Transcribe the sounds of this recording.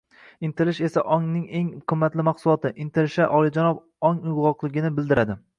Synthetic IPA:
ɪnt̪ʰɪlɪʃe̞saʔɒŋnɪŋe̞ŋqʰɨmːat̪lɪmaχsʊlˠɒt̪ɪʔɪnt̪ʰɪlɪʃaʔɒlˠɪd͡ʒanɒb | ɒŋʊjʁɒqlˠɪɡʲɪnɪbɪld̪ɪɾad̪ɪ

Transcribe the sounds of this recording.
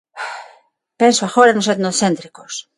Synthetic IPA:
pensoaxoɾanoset̪noθent̪ɾikos

